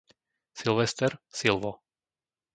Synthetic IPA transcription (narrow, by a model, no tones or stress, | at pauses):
silˠʋɛst̪ɛɾsilʋɔ